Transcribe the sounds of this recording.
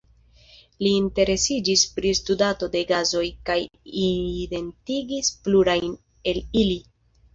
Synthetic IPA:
liːnte̞ɾe̞sid͡ʒispɾistudato̞de̞ɡazo̞jkajide̞ntiɡispluɾajn | e̞lili

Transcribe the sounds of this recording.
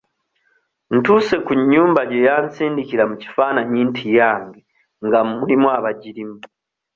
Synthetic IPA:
n̩tuːse̞kuɲːuːmbaɟejaːnt͡siːndikiɾamuci̥faːnaɲiːntʰijaːŋɡe | ŋɡamuɾimwaβaɟiɾimu

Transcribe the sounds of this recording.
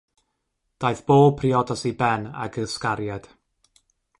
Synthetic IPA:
d̥ajθb̥oːpʰriɔdasibɛna̰ɡəskaɾjad̥

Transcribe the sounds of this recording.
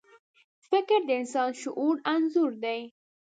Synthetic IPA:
fɪkɪɾd̪əɪnsɑnʃʊʔuɽanzuɾd̪aj

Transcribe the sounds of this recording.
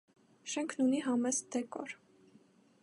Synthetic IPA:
ʃɛŋkʰnuniɦɑmɛsd̪ɛkɔɾ

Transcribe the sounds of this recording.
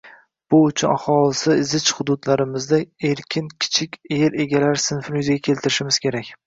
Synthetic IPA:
b̥ʊʊt͡ʃʰʊnahɒlɪsɪɪzɪt͡ʃhʊd̪ʊd̪laɾɪmɪzd̪ae̞ɾkʲʰɪnkʲʰɪ̥t͡ʃʰɪkʲeɾe̞ɡʲalaɾɪsɪnfnʊjzɪɡʲakʲʰe̞lt̪ʰɪɾɪʃɪmɪz̥kʲʰe̞ɾakʲ

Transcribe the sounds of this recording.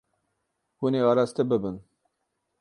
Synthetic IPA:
huneːɑːɾɑst̪ebɨbɨn

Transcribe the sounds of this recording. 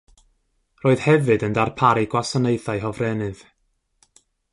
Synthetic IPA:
roːɨð̥hɛvɨdəndarpʰaɾiɡwasɔneɨθaɨɦɔvrɛnɨð̥

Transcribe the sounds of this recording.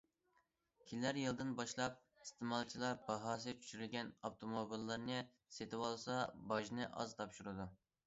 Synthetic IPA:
kʲʰilːæɾjilˠd̪ɨnbɑʃlˠɑp̚ | ist̪ɨmɑlˠt͡ʃʰilˠɑɾbɑɦɑːs̬ɨt͡ʃʰy̥ʃyɾylɡʲɛnoft̪ʰomobilˠːɨɾnɨ | set̪ʰɪwɑlˠsɑbɑʒnɨʔɑ̰zt̪ʰɑpʃuɾɨd̪u

